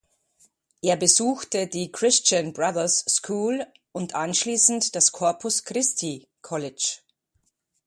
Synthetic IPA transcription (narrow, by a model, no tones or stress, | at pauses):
ʔeːɐbəzuːxtədiːkʁ̥ɪst͡ʃənbʁaðɐsːkʰuːl | ʔʊntʔanʃliːsn̩td̥askʰɔɐpʰʊskʁ̥ɪstʰi | kʰɔlɪt͡ʃ